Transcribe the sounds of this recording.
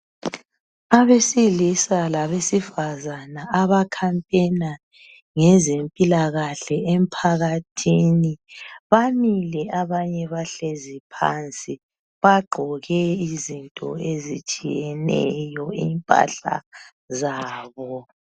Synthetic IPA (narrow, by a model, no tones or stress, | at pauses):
aβesilisalaβesifazanaːβakʰampʼɛna | ŋɛzempʼilaɣaɬɛʔem̩pʰaɣatʰiːniβamilɛaβaɲɛβaɬezipʰa̰nt͡sʼi | βaɡ͡ǃʱɔɣɛizintʼɔ̰ezit͡ʃʼijɛnɛ̰jɔiːmpʼa̰ɬa̰ | zaːβɔ